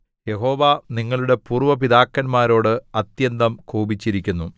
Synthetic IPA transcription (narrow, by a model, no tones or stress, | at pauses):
je̞ɦo̞ːʋaːniŋːɐɭuɽe̞puːrʋɐpiðaːkːɐnmaːɾo̞ːɽɨɐt̪jɐnd̪ɐmkʰuːbit͡ɕːiɾikʲːunːu